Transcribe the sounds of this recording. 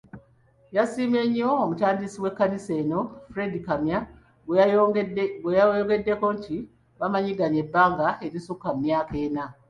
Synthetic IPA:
jasiːme̞ɲːoːmutaːndisiwe̞kːanise̞no̞fɾe̞dikamja | ɡwejaojoɡe̞dːe̞ko̞nti | βamaɲiɡaɲe̞bːaːŋɡae̞ɾisukːammjaːke̞ːna

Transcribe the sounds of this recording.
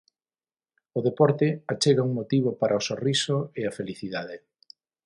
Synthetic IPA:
ʊðepɔɾt̪ɪat͡ʃeɣauŋmot̪iβopaɾʔɐosorisoeafeliθiðaðe

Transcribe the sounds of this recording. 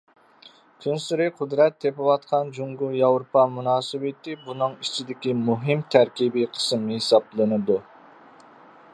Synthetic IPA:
kʲʰynsɪɾɪqʰʊd̪ɾɛt̪ʰːepɪwɑt̪qʰɑnd͡ʒuŋɡujɑwɾupɑmunɑːsɨbɪt̪ɪbunɨŋit͡ʃʰid̪ɪkʲimuɦɪmt̪ʰæɾkʲibiqʰə̥smnɨhesɑblˠɨnɨd̪u

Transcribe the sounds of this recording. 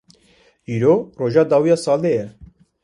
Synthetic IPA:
iːɾoːroːʒɑːd̪ɑːwijɑːsɑːld̪ejɛ

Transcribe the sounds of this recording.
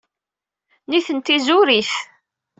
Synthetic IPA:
niθənt̪izʊɾiθ

